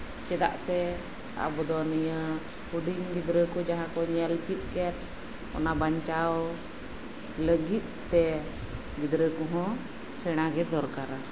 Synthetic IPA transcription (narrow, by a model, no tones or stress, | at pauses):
t͡ʃɛd̪a̰ʔsɛ | a̰bɔd̪ɔnəjə | uɖimɡid̪ɾəkɔd͡ʒaɦãkɔɲɛlt͡ʃit̪̚ˀkɛt̪̚ | ɔ̰nabaɲt͡ʃaw | ləɡit̪̚ˀt̪ɛ | ɡid̪ɾəkɔɦɔ̃ | sɛɽ̃aɡɛd̪ɔɾkaɾa